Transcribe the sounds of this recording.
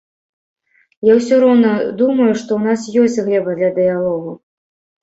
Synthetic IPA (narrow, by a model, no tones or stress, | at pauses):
jawsʲɔɾɔwnɐd̪umɐjuʂt̪ɔwn̪asjɔsʲt͡sʲɣlʲɛbɐd̪lʲɐd̪ɨjalˠɔɣu